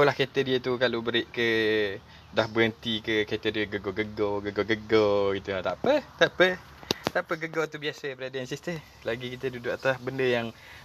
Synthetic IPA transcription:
olahket̪ədit̪ukalobəɾɪʔkə | dahbəənt̪ikəket̪ədəɡəɡɔɡəɡɔɡəɡɔɡəɡɔkit̪ət̪apət̪aʔpə | t̪apəɡəɡot̪ubiasəbəɾadansist̪ə | laɡikit̪ədudʊʔat̪asbəndəjaŋ

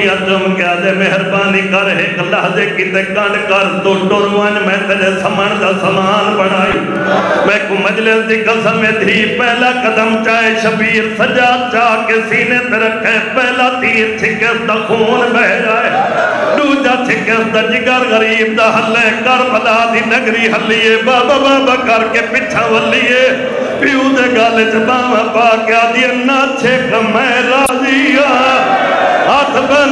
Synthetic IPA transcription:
ad͡ʒəmkaːd̪emeɦɪɾbaːniːkəɾɦekəlaːɦd͡ʒeːkɪt̪eːkəɳɖkəɾd̪oːʈoɾaːnmɛ̃ːt̪eɗeːsəməɳ̃d̪aːsəmaːnbəɽ̃aːjũː | mɛ̃koməd͡ʒlɪsd̪iːkəsəmẽːd̪ʱiːpɛɦlaːkəd̪əmt͡ʃaːeʃəbiːɾsəʄaːt͡ʃaːkesiːneːt̪eɾɐkʰepɛɦlaːt̪iːɾt͡ʃʰɪkeːsd̪aːkuːnbɛɦd͡ʒaːeːɗuːd͡ʒaːt͡ʃʰɪkesd̪aːd͡ʒɪɡaɾɣɐɾiːb̚d̪aːɦɐlekɐɾpɐlaːd̪iːnəɡɾiːɦɐlːiːjeːbaːbabaːbaːkɐɾkepɪt͡ʃʰãːʋɐlːie | pɪuːd̪eːɡaːleːt͡ʃebaːmãːpaːkaːd̪ienat͡ʃʰeːkəmɛɾaːd͡ʒiːaː | at̪ʰba

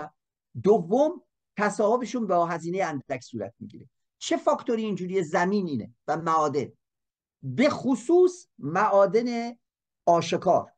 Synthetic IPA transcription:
d̪ovːom | t̪ʰæsɒːobeʃuːnbeɦæziːne̞jeænd̪ækʰsuːɾæ̰t̪̚ʰmḭɟḭːɾe | t͡ʃʰefɒːkt̪ʰoɾiːnd͡ʒuːɾijezæmiːniːnḛvæmæɒːd̪e̞̰n | be̞xosuːsmæʔɒːd̪e̞ne | ɒːʃekʰɒːɾ

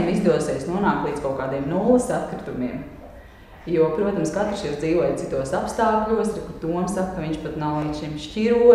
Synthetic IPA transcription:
mizd̪uɔsɛːjsnuɔnaːkt̪lˠiːskalkaːd̪iɛmnuːlˠsat̪kɾɪt̪umiɛm | juɔpɾuɔt̪amskat̪ɾʃiɾd̪ziːʋuɔjt̪it̪uɔsapst̪aːkʎuɔsɾikut̪uɔmsak̚kaʋiɲʃpat̪nawlˠiːʃimʃciɾu

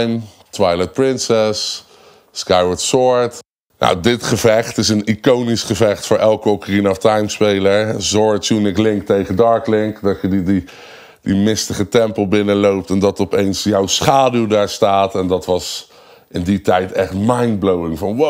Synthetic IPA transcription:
jm | tʋɑjlɛt̚pɹɪnsɛs | skajwətsɔɹt | na̰wdɪtχəvɛχtɪsənikownisχəvɛχtfʊːɹʔɛlˠkɔkərinɔftajmspejləɹzɔɹtsunɪklɪŋk̚tejχədɑɹklɪŋkdɑtəddi | dimɪstəχətɛmpəl̩ˠbɪnəlowp̚tɛndɑtɔpejnsjawsχaːdylˠdaːɹstaːtɛndɑtʋɑs | ɪnditɛjtɛχtmajnblowɪŋvɑno

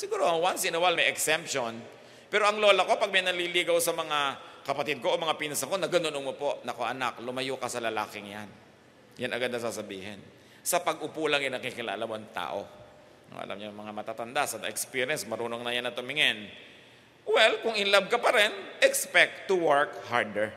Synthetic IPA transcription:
sɪɡuːɾoɐŋwansɪnɐwalmɐjʔɛksɛmp̚ʃon | pɛːɾo̞ʔɐŋlo̞ːlɐko̞pɐɡ̚mɐjnɐliːliːɡɐwsɐmɐŋakɐpɐt̪ɪd̪̚koʔomɐŋapiːnɐsɐko̞nɐɡɐnonoŋmopo̞ʔnɐkoʔɐnaklʊmɐjoːkɐsɐlɐla̰ːkɪŋjan | janʔɐɡad̪̚ɐsasɐbiːhɪ̰n | sɐpɐɡ̚ʔʊpulɐŋɪnɐkikɪla̰ːlamoʔɐŋt̪a̰ːʔo̰ | no̰ʔɐ̰la̰mɲaŋmɐŋamɐt̪aːt̪ɐnd̪asɐd̪ɐ̰ʔɛkspiɾjɛnsmɐɾuːnoŋnɐjanːɐt̪ʊmɪŋɛn | wɛlkʊŋʔɪnlab̚kɐpɐɾɛnʔɛkspɛk̚t̪ːʊwɛɹkhaɹd̪ɛɹ

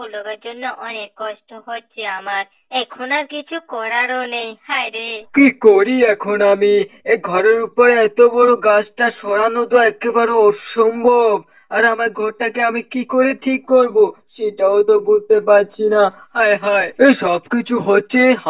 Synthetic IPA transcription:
boloɡaɾd͡ʑonːoʔɔnekːɔʃʈoɦotːɕʰeamaɾ | ɛkʰonaɾkit͡ɕʰukɔɾaɾonejhajɾekikoɾiɛkʰonamieɡʱɔɾeɾupoɾeɛt̪obɔɾoɡat͡ɕʈaʃɔɽanot̪oɛkebaɾoɔʃombʱob | aɾamaɾɡʱɔɾʈakeamikikoɾeʈʰikːoɾboʃeʈaot̪obud͡ʑʱt̪epaɾt͡ɕʰina | hajɦaeeʃɔbkit͡ɕʰuɦotːɕʰeɦ

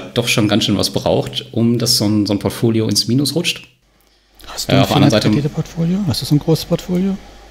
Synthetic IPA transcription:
d̥ɔχʃoːnɡansʃøːnva̰sb̥ʁa̰ʊxtʔʊmdasz̥oːnzoːnpʰɔɐtfoːljoɪnsmiːnʊsʁʊt͡ʃt | hastua̰ːʊfdɛandʁnzaɪtəeːəpʰɔɐtfoːljoːhastd̥uːzoːnɡʁoːsə̥spʰɔɐtfoːljoː

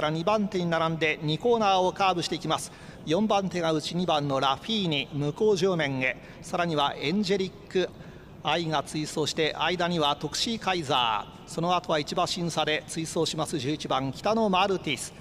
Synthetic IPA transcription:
ɾaɲ̟ibãnt̪e̞ɲ̟inaɾãnd̪e̞ɲ̟iko̞ːnaːo̞kaːbɯ̟ɕi̥t̪eikʲimasɨ̥ | jõ̞mbãnt̪e̞ɡaɯ̟t͡ɕiɲ̟ibãnːo̞ɾaɸiːɲ̟imɯ̟ko̞ːʑo̞ːmẽ̞ŋe̞ | saɾaɲ̟iβaʔẽ̞ɲ̟d͡ʑe̞ɾʲikːɯ̟ | aiɡat͡sɨiso̞ːɕi̥t̪e̞ʔaid̪aɲ̟iβat̪o̞kɯ̟̥ɕikaiza̰ː | so̞no̞at̪o̞βait͡ɕibãɕĩɰ̃sad̪e̞t͡sɨiso̞ːɕimasɨʑɨːit͡ɕibãŋkʲi̥t̪ano̞maɾɯ̟t̪ʲisɨ̥

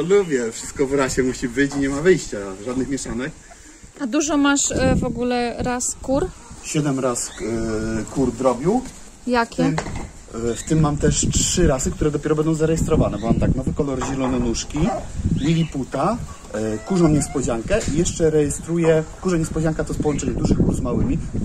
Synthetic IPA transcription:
ɔlubʲjɛfʂɘ̥st̪̚kɔvɾaɕɛmuɕibɘt͡ɕiɲɛmavɘjɕt͡ɕaʐad̪nɘxmʲɛʂanɛk | ad̪uʐɔmaʂvɔɡulɛɾaskuɾɕɛd̪ɛmɾas | kuɾd̪ɾɔbʲiw | jakʲɛ | ft̪ɘmːamt̪ɛʂt͡ʂʂɘɾasɘkt̪uɾɛd̪ɔpʲjɛɾɔbɛnd̪ɔ̃w̃zaɾɛjɛst̪ɾɔvanɛbɔmamt̪aknɔvɘkɔlɔɾʑɛlɔnɛnuʂkʲilʲilʲiput̪a | kuʐɔ̃w̃ɲɛspɔd͡ʑaŋkɛʔijɛʂt͡ʂɛɾɛjɛst̪ɾujɛkuʐɛɲɛspɔd͡ʑaŋkat̪ɔspɔwɔnt͡ʂɛɲɛd̪uʐɘxkuɾzmawɘmʲi

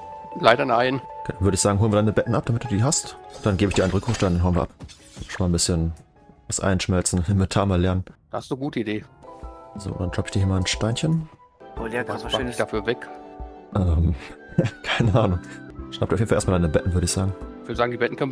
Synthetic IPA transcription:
laɪdɐnaɪnknvʏɐɾəɪçz̥aːɡŋ̩oːlənviɐdaɪnəbɛtn̩ʔap̚d̥amɪt̚d̥uːdiːɦastd̥anɡeːbəç̥iːɐaɪənʁʏkʰʊʃtd̥aɪndanɦaʊnviɐʔap̚ | ʃnmaːlnbɪsçən | vasʔa̰ɪnʃmɛlt͡sn̩ɛmvetʰaːmaːlɛɐnənd̥aːhastuɡuːtəideː | zo̰ːʊ̰ntd̥anʃlapɪçd̥iːɐhiɐmaːlnʃtaɪnçən | oad̥afyːɐvɛkʔɛːm | kʰaɪnəʔaːnʊŋʃnap̚duːɑfednflʔːstmaldaɪnəbɛtn̩vʏɐɾəɪçz̥aːɡŋ̩v̥ʏɐdəzaːɡŋdibɛtn̩kʰœn

